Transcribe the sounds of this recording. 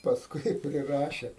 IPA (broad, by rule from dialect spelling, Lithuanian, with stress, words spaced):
pɐsˈkʊɪ ɪ pʲrʲɪˈrɑːʃʲɛ